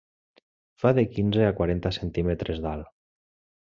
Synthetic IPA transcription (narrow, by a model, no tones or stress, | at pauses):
faðekinzeakwaɾent̪asent̪imet̪ɾʔezðal